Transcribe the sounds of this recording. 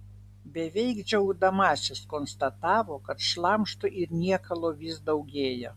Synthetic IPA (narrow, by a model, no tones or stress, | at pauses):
bʲɛʋʲɛɪɡd͡ʒʲɛʊd̪ɐmɑːsʲɪskonst̪ɐt̪ɑːʋoːkɐt̪ʃlˠɑmʃt̪ʊʔɪɾnʲiɛkɐlˠoːʋʲɪsd̪ɐʊɡʲeːjo